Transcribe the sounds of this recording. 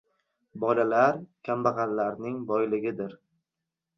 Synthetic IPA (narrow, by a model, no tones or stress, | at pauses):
bɒlalaɾkʲʰambɑʁɑnlaɾnɪŋbɒjlɪɡʲɪd̪ɪɾ